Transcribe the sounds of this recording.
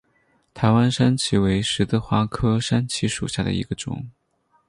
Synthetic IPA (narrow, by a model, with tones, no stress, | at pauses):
t̪ʰa˧˥ɪwa˥nʂa˥nt͡ɕʰi˧˥we˧˥ɪʂɻ̩˧˥t̪ɤ˥˩xwa˥kʰɤ˥ʂa˥nt͡ɕʰi˧˥ʂṵ˨˩ɕja˥˩d̪ə̰˩ḭ˧˥ɡə˧ʈ͡ʂʊ̰˨˩˦ŋ